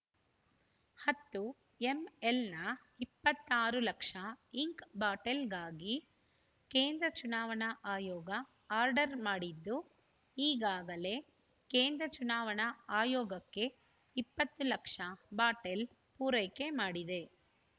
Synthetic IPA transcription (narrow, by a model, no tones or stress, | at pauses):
hɐt̪ːu | eme̞lnɐ | ipːɐt̪ːaːɾulɐkʂɐiŋkbaːʈelɡaːɡi | keːnd̪ɾɐt͡ʃunaːʋɐɳɐʔaːjɔːɡɐ | aːɾɖɐɾmaːɽid̪ːu | iːɡaːɡɐle̞ | keːnd̪ɾɐt͡ʃunaːʋɐɳɐaːjɔːɡɐkːe̞ | ipːɐt̪ːulɐkʂɐbaːʈel | puːɾɐjke̞maːɽid̪e̞